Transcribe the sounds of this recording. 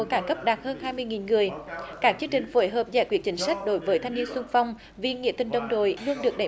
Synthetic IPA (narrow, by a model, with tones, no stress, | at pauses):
kaː˧˩kə˦˥p̚ɗaː˨˩t̚həː˧nhaː˧jmɨ˧əjŋi˨˩nŋɨ˨˩əjkaː˦˥k̚t͡ɕɨ˧əŋt͡ɕï˨˩ŋ̟fo˧˩jɦəː˨˩p̚zɛ̰˧˥˩kwi˧˩ət͡ɕï˨˦ŋ̟sa˦˥k̟̚ɗo˨˦jvəː˨˦jt̪ʰa˧ŋni˧ənsʊ˧ŋ͡mfa˧wŋ͡m | vi˨˧˩ŋḭ˧˥ət̪ï˨˩ŋ̟ɗə˨˧wŋ͡mɗo˧˨jlu˧əŋɗɨ˨˩ək̚ɗa˨˧˩